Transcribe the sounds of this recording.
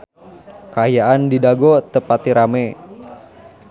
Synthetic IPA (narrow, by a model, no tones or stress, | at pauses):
kaajaʔandidaɡɔt̪əpat̪iɾamɛ